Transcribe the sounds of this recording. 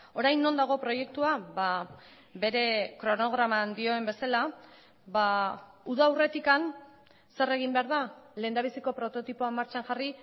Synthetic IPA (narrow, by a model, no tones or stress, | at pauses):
o̞ɾajnːo̞nd̪aɣ̞o̞pɾo̞je̞k̚t̪uaba | be̞ɾe̞kɾo̞no̞ɣ̞ɾamand̪io̞e̞mbe̞sala | βauð̞awre̞t̪ikan | se̞re̞ɣ̞imbe̞aɾð̞ale̞ːnd̪aβ̞isiko̞pɾo̞t̪o̞t̪ipoamːaɾt͡ʃanxari